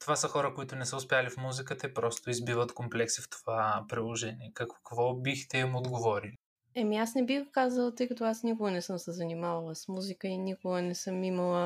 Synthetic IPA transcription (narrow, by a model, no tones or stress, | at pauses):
t̪ovasəxɔɾəkoit̪ʊnɛsəʊspʲjalifmuzikət̪əipɾɔst̪ʊizbivət̪komplɛksift̪o̥vapɾilˠoʒɛniɛkɐkkvɔbixt̪ɛimod̪ɡovɔɾili | ɛmiasnɛbixɡʊkazəlˠət̪ɤjkɐt̪oasnikʊɡənɛsɤmsɛzɐnimavɐlˠəsmuzikəinikʊɡənɛsɤmiməlˠə